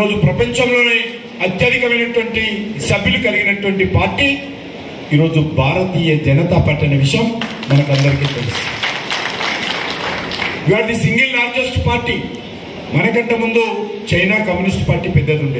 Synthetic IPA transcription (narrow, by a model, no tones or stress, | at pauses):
o̞ːd͡ʒupɾɐpɐɲt͡ʃɐmlo̞ːneː | ɐt̪jɐd̪ikɐmɐjnɐʈʋɐɳʈisɐbʱjilukɐliɡinɐʈʋɐɳʈipaːɾʈiː | iːɾo̞ːd͡ʒubʱaːɾɐt̪iːjɐd͡ʒɐnɐt̪aːpaːɾʈiɐnɐʋiʂɐjɐmː | ɐnɐkɐnd̪ɐɾikiːt̪elist̪ː | iʋaːɽɐt̪isiŋɡilnaːɾd͡ʒɐsʈpaːɾʈiː | mɐnɐkɐɳʈɐmund̪ut͡ʃɐjnaːkɐmjunisʈpaːɾʈiːpɛd̪ːɐɾuɳɖeː